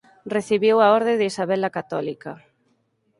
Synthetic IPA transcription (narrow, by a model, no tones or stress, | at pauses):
reθiβiwaɔɾðeðɪisaβɛlakat̪ɔlikɐ